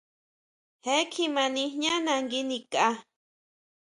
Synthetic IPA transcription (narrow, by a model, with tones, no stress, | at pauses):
he˦kʰi˧mã˧nĩ˧hɲã˦nã˧ŋɡi˦ni˧ka˧